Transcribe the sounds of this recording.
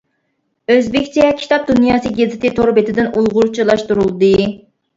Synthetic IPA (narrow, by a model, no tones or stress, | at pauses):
øzbɪkʲt͡ʃʰɛkʲʰi̥t̪ʰɑp̚d̪unjɑːsɨɡʲezɪt̪ɪt̪ʰoɾbet̪ʰɪd̪ɪnulˠʁʊɾt͡ʃʰilˠɑʃt̪uɾulˠd̪ɨ